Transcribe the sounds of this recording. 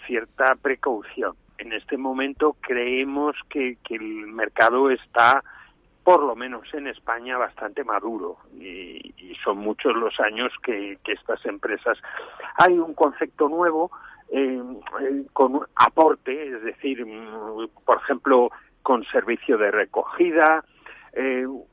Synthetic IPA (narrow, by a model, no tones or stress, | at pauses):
θje̞ɾt̪apɾe̞kawθjo̞n | e̞ne̞st̪e̞mõ̞mẽ̞nt̪o̞kɾe̞emoskekelme̞ɾkað̞oe̞st̪a | po̞ɾlo̞mẽ̞no̞se̞ne̞spaɲaβ̞ast̪ant̪e̞maðuɾo̰ḭiso̞nmut͡ʃo̞zlo̞saɲo̞skekeest̪ase̞mpɾe̞sasajuŋko̞n̟θe̞k̚t̪o̞nwe̞β̞o̞e | ko̞na̰po̞ɾt̪e̞ezðe̞θiɾ | po̞ɾexe̞mplo | ko̞nse̞ɾβiθjoðe̞re̞ko̞̰xið̞a | e